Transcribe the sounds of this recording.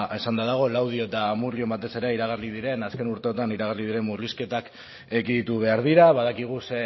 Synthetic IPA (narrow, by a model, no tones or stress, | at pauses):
e̞sand̪aðaɣ̞o̞lawð̞io̞et̪amuɾlio̞mbat̪e̞se̞ɾe̞iɾaɣarlið̞iɾe̞naske̞nuɾt̪e̞ot̪aniɾaɣ̞arliðiɾe̞muɾliske̞t̪ak | ekiðit̪uβ̞e̞aɾð̞iɾaβaðakiɣ̞use